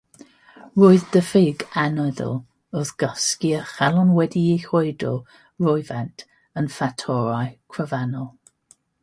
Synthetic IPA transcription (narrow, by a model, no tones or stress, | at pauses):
roːɨðd̥əfeːɡɛnɔðɔ̰lˠ | əðɡ̥əskiəχɛlˠɔnwɛdiehoɨdɔ | ɹɔɨvɛntʰ | ənfatʰɔɹajkʰɹəvɛnɔlˠ